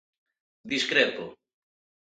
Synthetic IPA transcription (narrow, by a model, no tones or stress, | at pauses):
d̪iskɾet̪o